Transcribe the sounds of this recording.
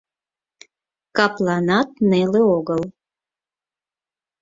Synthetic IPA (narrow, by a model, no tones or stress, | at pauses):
kaplˠanat̪̚neleoɣəl